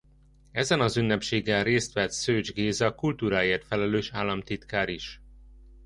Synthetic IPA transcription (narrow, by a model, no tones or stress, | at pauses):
ɛzɛnɒzynːɛpʃeːɡɛnreːst̪ʋɛt̪søːd͡ʒɡeːzɒkult̪uːɾaːjeːrt̪fɛlɛløːʃaːlːɒmt̪it̪kaːɾiʃ